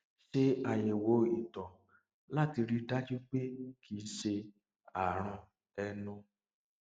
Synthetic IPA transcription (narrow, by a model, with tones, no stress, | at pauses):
ʃe˦a˨je˨wo˨˦i˨tɔ˨ | la˦˨ti˧ɾi˦˧da˦d͡ʒu˦k͡pe˦kʰi˧˦ʃe˧ | a˨ɾ̃ɔ̃˧ | ɛ˧nʊ̃˧